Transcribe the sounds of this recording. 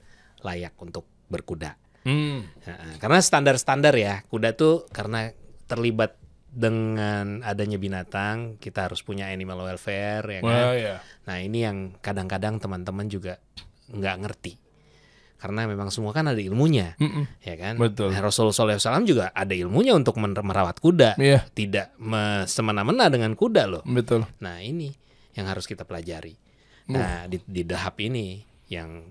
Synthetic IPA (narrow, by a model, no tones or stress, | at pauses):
lajak̚unt̪ʊk̚bərkuda̰ | əʔəkarənasə̥t̪andarsə̥t̪andarjakudat̪ukaɾənat̪ːərlibat̪̚ | dəŋanadaɲabinat̪aŋkit̪ahaɾʊspuɲaanimalwɛlfɛrjakajanahinijaŋkadaŋkadaŋt̪əmant̪əmand͡ʒuɡa | ŋɡaʔŋərt̪i | kaɾənamemaŋsəmuakanadailmuɲajakanbət̪ʊlrosulsɔlɛasalamd͡ʒuɡaʔadailmuɲaunt̪ʊk̚məməɾawat̪̚kudaʔjat̪idaʔməsəmənamənadəŋankudalʊhbət̪ʊlnahini | jaŋɦaɾʊskit̪apəlad͡ʒaɾi | ndididəɦapini | jaŋ